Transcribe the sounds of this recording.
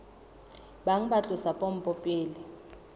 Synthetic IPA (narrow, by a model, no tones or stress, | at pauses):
baŋ̩ɓat͡ɬʼʊsapʼom̩pʼɔpʼeːlɪ